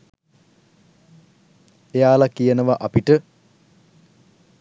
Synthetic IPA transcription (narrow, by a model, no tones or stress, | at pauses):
ejaːlɐkijɐnɐʋɐʔɐpiʈə